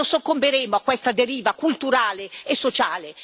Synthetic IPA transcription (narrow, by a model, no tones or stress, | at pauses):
osokːombeɾeːmoakːwest̪ad̪eɾiːvakult̪uɾaːleesːot͡ʃaːle